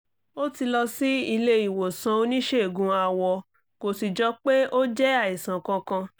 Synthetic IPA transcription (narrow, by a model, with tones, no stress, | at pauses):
o˦ti˧lɔ˧si˦i˧le˦i˦˨wo˨sã˧o˧nĩ˦ʃe˦˨ɡũ˧˦a˨wɔ˧ | ko˨si˨d͡ʒɔ˨˦k͡pe˦o˦d͡ʒɛ˦a˦˨i˨sã˨kã˧kã˧